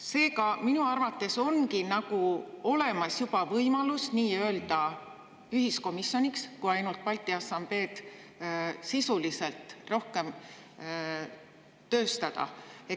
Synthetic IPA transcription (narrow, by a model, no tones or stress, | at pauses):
se̞ːkɑminuɑrvɑt̪ːˑe̞so̞nkinɑɡ̥uo̞le̞mɑsjub̥ɑvɤjmɑlusniːø̞ːld̪̥ɑ | yɦisko̞misjo̞nikskujɑjnult̪̚pɑlʲt̪ːˑiɑsɑmb̥e̞ːd̪̥ | sisulise̞lt̪ro̞hke̞m | t̪ø̞ːst̪ɑd̪̥ɑ̰e̞t̪ː